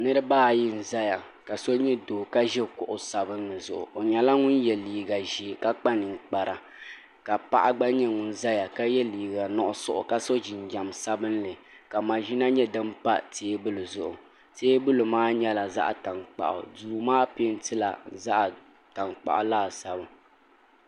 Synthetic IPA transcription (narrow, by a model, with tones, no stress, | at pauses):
nɨ˦ɾɨ˦baː˦˨ji˦n̩˨za˦ja˨ | ka˨so˦ɲɛ˦doː˨ka˦ʒɛ˦kʊ˨ʔʊ˨sa˨bɨ˦nː˦ɨ˨zʊ̰˨ʔʊ̰˨o˨ɲɛ˨la˦ŋʊ˦njɛ˨liː˨ɡa˨ʒi˦˨ka˦k͡pa˦nɨ˨ŋ˨k͡pa˨ɾa˨ | ka˨pa˦ʔa˦ɡ͡ba˦ɲɛ˦ŋʊ˨n˦za˦ja˨ka˦jɛ˦liː˨ɡa˨nɔ˦ʔʊ˦sʊ̰˨ʔʊ̰˨ka˦so˦d͡ʒi˨nd͡ʒa˨msa˦bɨ˦nlɨ˨ | ka˨ma˨ʒi˦na˦ɲɛ˦dɨ˦mpa̰˦teː˦bɨ˦lɨ˨zʊ˨ʔʊ̰˨ | teː˦bɨ˦lɨ˨maː˦ɲɛ˦la˨za̰˦ʔa˨ta˨ŋk͡pa̰˨ʔʊ̰˨duː˨maː˦pɪ˦n˦tɨ˦la̰˨za˦ʔ | ta˨nk͡pa̰˨ʔʊ˨laː˦˨sa˨bɨ˦